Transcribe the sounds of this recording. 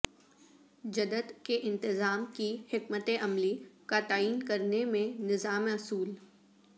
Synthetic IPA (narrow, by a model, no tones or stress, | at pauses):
d͡ʒɐd̪əd̪keʔɪ̃nt̪ɪzaːmkihɪkmət̪eʔɐmlikat̪aːiːnkɐɾnemẽnɪzaːmeɐsuːl